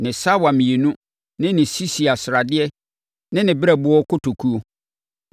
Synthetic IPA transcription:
nɪ̃˨sa˦wa˨mĩ˨e˨nũ˦ | nɪ̃˦nɪ̃˨si˦si˨a˨sɾa˨dɪ˦ɛ˦ | nɪ̃˦nɪ̃˨bɪ˦ɾɛ˦bʊ˦ɔ˦kʊ˦tʰo˨kʰu˦o˦

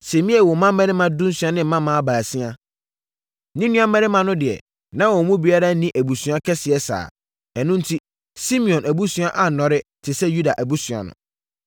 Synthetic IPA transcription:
sɛ˨mĩ˦ɛ˦˨wɔ˨˦mã˦m˦mɛ̃˦ɾɪ˦mã˨dũ˦n̩˦sɥa˦nɪ̃˦m̩˦mã˦mã˦baː˨si˦a˦ | nĩ˦nũ˦ã˦mɛ˦ɾɪ˦mã˦nʊ̃˦dɪ˨ɛ̰˨ | nã˦wɔ˨mũ˦bi˨˦a˦ɾa˦nĩ˦ʔæ˨bu˨sũ˨˦a˦kʰɛ˦sɪ˨ɛ˦sa̰ː˨ | ɛ˨nʊ̃˦n̩˦tʰi˦ | si˦mĩ˨ɔ̃˨nʔæ˨bu˦sɥ̃a˦ʔa˨nɔ̃˨ɾɪ˦tʰɪ˨sɛ˦ju˦da˨ʔæ˨bu˦sɥa̰˨nʊ̰̃˨

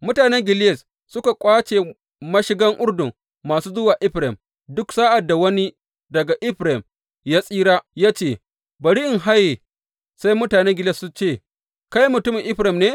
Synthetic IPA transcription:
mʊ˦taː˨nɛ˦ŋɡʲɪ˨lɪ˦jɛ˨s | sʊ˦ka˨kʷʼaː˦t͡ʃe˨ | mɐ˦ʃɪ˦ɡɐ˦ŋʔʊ˦ɽdʊ˨ŋ | maː˨suː˦zʊ˦waː˨ʔɪ˦ɸɾɪ˨m | dʊ˦ksaː˦ʔa˨dːa˨wɐ˦ni˦ | dɐ˨ɡa˨ʔɪ˦ɸɾɪ˨m | jaː˦sʼiː˦ɽaː˦jaː˦t͡ʃeː˦˨ | bɐ˨ɽi˦ʔɪ˨ŋɦa˦je˨ | sa˦jmʊ˦taː˨nɛ˦ŋɡɪ˨lɛ˨sʊ˦t͡ʃeː˦˨ | ka˦jmʊ˨tʊ˦mɪ˨ʔɪ˦ɸɾɪ˨mneː˦

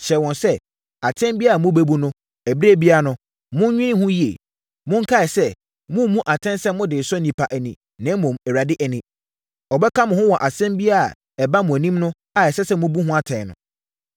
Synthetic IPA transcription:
ɕɛ˨wɔ̃˨nsɛ˦ | a˨tʰɛ̃˦mbi˦a˦a˨mʊ̃˦be˦bu˦nʊ̃˦ | æ˨bɾe˦˨bi˦a˦˨nʊ̃˦ | mʊ̃˦n˦ɲᶣĩ˦ɪ̃˦hʊ̃˦ji˦ḛ˨ | mʊ̃˦ŋ˦kʰa˦ɛ˨sɛ˦ | mʊ̃˦mũ˦ʔa˨tʰɛ̃˦nsɛ˦mʊ̃˦dɪː˨sɔ˦nĩ˨pʰa˨ʔɛ˨nĩ˨ | nã˦mʊ̃˨mɛ˨ɾa˨dɪ˦ʔɛ˨nĩ˨ | ɔ˨bɛ˦kʰa˦mʊ̃˨hʊ̃˦wɔ˨ʔa˨sɛ̃˦mbi˦a˦a̰˨ | ɛ˨ba˦mʊ̃˨æ˨nĩ˦mnʊ̃˦ | a˨ɛ˨sɛ˦sɛ˦mʊ̃˦bu˦ɦʊ̃˦a˦tʰɛ̃˨nʊ̰̃˨

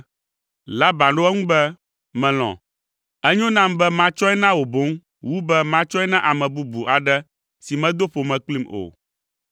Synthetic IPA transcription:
la˦bã˨ɖo˦ɛ˦ŋũ˦bɛ˦ | mɛ̃˨l̃ɔ̰̃˨ | ɛ˦ɲõ˦nã˦mbɛ˦mã˦t͡ʃɔ˦ɛ˦nã˦wo˨bo˨˦ŋ | wu˦bɛ˦mã˦t͡ʃɔ˦ɛ˦nã˦ʔa˨mɛ̃˨bu˦bu˨ʔa˨ɖɛ˦ | si˨mɛ̃˦d̪o˦ɸo˨mɛ̃˨k͡pli˦mo̰˨

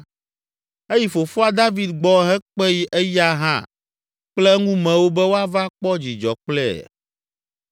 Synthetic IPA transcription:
e˦ji˨fo˨fu˦a˦d̪a˦vi˦d̪ɡ͡bɔ˦ɦɛ˦k͡pɛ˦ji˦ʔɛ˦ja˦ɦã̰˦ | k͡plɛ˦ŋũ˦mɛ̃˨wo˦bɛ˦wo˦a˦va˦k͡pɔ˦d͡ʑi˨d͡ʒɔ˨k͡plɛ̰˦˨

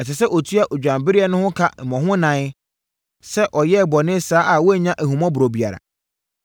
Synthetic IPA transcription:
ɛ˨sɪ˨s̬ɛ˦ʔɔ˨tʰu˦a˦ʔo˨d͡ʑᶣã˨mbɪ˦ɾɪ˦ɛ˦nʊ̃˦hʊ̃˦kʰa˦m̩˨mɔ̃˨ɦʊ̃˦nã˨˦ | sɛ˦ʔɔ˨jɛ˦˨bɔ˨nɪ̃˦saː˨˦ʔa˨wɔ˦ɛ˦˨ɲã˦ʔæ˨hũ˨mɔ̃˦bʊ˨ɾo˨bi˨a˨ɾa̰˨

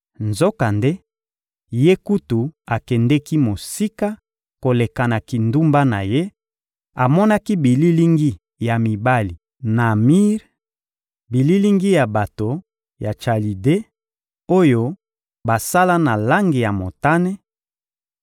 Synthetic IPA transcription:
nzo˦ka˨nde˦ | je˦ku˦tu˨a˨kɛ˨ndɛ˦ki˦mo˨si˦ka˦ | ko˨le˨ka˨na˨ki˨ndu˦mba˦na˨je˦ | a˨mɔ˦na˦ki˦bi˨li˦li˦ŋɡi˦ | ja˨mi˨ba˦li˨ | na˨mi˦ʁ | bi˨li˦li˦ŋɡi˦ja˨ba˨to˨ | ja˨t͡ʃa˨li˨de˦ | o˦jo˦ | ba˨sa˦la˦na˨la˦ŋɡi˨ja˨mo˨ta˦ne˦

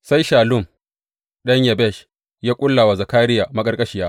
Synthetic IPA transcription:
sa˦jʃaː˨lʊ˦˨m | ɗɐ˦ɲjɐ˨bɛ˦˨ʃ | jaː˦kʷʼʊ˦lːa˨wa˨zɐ˨kaː˦ɾɪ˦jaː˨mɐ˦kʼɐ˦rkʼɐ˦ʃi˨jaː˦

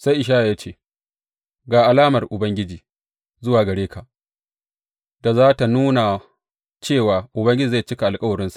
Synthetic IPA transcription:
sa˦jʔɪ˨ʃ̬aː˦ʔa˨aː˦t͡ʃeː˦˨ | ɡaː˨ʔa˨laː˦mɐ˨rʔʊ˨bɐ˦ŋɡʲɪ˦d͡ʒiː˨ | zʊ˦waː˨ɡɐ˨ɽeː˦kʰa˨ʔ | da˨zaː˦ta˨nuː˦na˨ | t͡ʃeː˦˨waː˨ʔʊ˨bɐ˦ŋɡʲɪ˦d͡ʒiː˨za˦˨jt͡ʃɪ˦ka˨ʔa˨lkʼɐ˦wɐ˨ɾɪ˦nsḁ˨ʔ

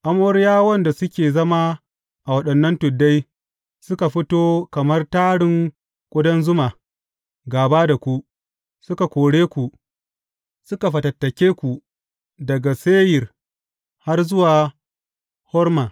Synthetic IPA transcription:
ʔa˦moː˦ɾjaː˦wɐ˦nda˨sʊ˦kʲeː˨zɐ˦ma˦ | ʔa˨wɐ˦ɗɐ˨nːɐ˦ntʊ˨dːa˦j | sʊ˦ka˨ɸɪ˦toː˦kɐ˨mɐ˦rtaː˦ɽɪ˨ŋ | kʷʼʊ˦dɐ˦nzʊ˦maː˨ | ɡaː˨baː˦da˨kʷu˦ | sʊ˦ka˨kʷoː˨ɽeː˦kʷu˨ | sʊ˦ka˨ɸɐ˨tɐ˨tːɐ˨kʲeː˦kʷu˨ | dɐ˨ɡa˨seː˦jɪ˨r | ha˦rzʊ˦waː˨ | hɔ˦rmaː˨

